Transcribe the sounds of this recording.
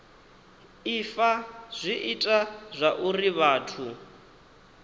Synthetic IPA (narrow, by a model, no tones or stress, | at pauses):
ifaz̥ʷiʔitʼazʷaʔuriβaːtʰu